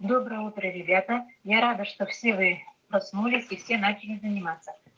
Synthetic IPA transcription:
d̪obɾəjəut̪ɾəɾʲɪbʲat̪əjaɾad̪əʂt̪ofsʲevɨpɾɐsnulʲɪsʲifsʲe̞nat͡ɕɪlʲɪzənʲɪmat̪sːə

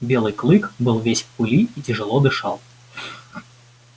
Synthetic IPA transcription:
bʲelˠɨjklˠɨkbɨlˠvʲesʲpʊlʲiitʲɪʐɨlˠɔd̪ɨʂɑ̰lˠ

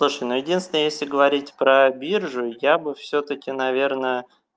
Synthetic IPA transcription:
lˠuʂəjnojɪdʲinsʲɪnəjesʲlʲɪɡəvɐɾʲitʲpɾəbʲirʐʊjabɨfsʲɵt̪əkʲɪnɐvʲe̞rnə

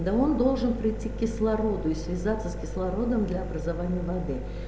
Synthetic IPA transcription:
d̪ao̞nd̪o̞lˠʐɨnpɾʲɪtʲːikʲkʲɪslˠɐɾo̞d̪ʊisvʲɪzat̪sːəskʲɪslˠɐɾo̞d̪əmd̪lʲaɐbɾəzavanʲɪjəvɐd̪ɨ

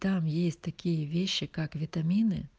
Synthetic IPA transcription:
t̪amjesʲtʲt̪ɐkʲijɛʋʲeɕːikakʋʲit̪ɐmʲinɪ̰

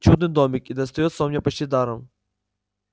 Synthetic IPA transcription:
t͡ɕud̪̚nɨd̪omʲɪkid̪ɐst̪ɐjot̪səvɐmnʲepɐt͡ɕtʲid̪aɾəm

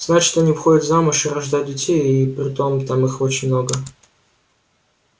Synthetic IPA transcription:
z̥nat͡ɕʲʂt̪oɐnʲivxo̞dʲɪt̪vzamʊʂɨɾɐʐd̪ajʊt̪̚dʲɪtʲejipɾʲɪt̪o̞mt̪amɨxo̞t͡ɕɪnʲmno̞ɡə

